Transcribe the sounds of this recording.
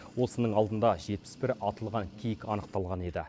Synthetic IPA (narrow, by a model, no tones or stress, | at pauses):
wo̞sənəɴɑlˠd̪ənd̪ɑʒe̞t̪̚pɪ̥sbɪɾɑt̪əlˠʁɑŋkʲʰijɪkɑnəq̚t̪ɑlˠʁɑne̞d̪ɪ̰